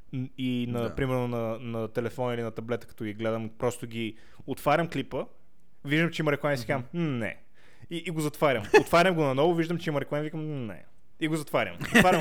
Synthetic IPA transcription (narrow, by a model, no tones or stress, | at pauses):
inɐpɾimɛɾnonɐnɐt̪ɛlɛfɔnilinɐt̪ɐblɛt̪ə̥kɐ̥t̪ɔɡʲiɡlɛd̪əmpɾɔst̪oɡʲi | ot̪vaɾʲəmklipə | viʒd̪əmt͡ʃɛimɐɾɛklˠanisikamnɛ̰ | iʔːɡozɐt̪vaɾʲəmot̪faɾʲəmɡonɐnɔvʊviʒd̪əmt͡ʃɛiməɾɛklˠanvikəmnɛ̰ | iɡozɐt̪vaɾʲə̰mot̪vaɾʲə